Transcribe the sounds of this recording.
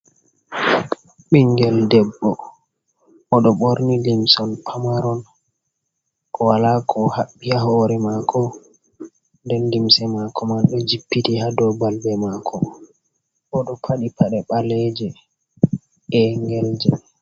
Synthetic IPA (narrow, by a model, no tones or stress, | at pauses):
ɓɛŋɡɛldɛbːɔ | ɔɗɔɓoɾnilimsɔnpʰamaɾɔn | ʔɔwalakʰɔhaɓːiaɦɔɾɛmakʰɔ | ndɛnlimsɛmakʰɔmanɗɔd͡ʒipːitihadɔbalbɛmakʰɔ | ɔɗɔpʰaɗipaɗɛɓalɛd͡ʒɛ | ɛŋɡɛld͡ʒɛ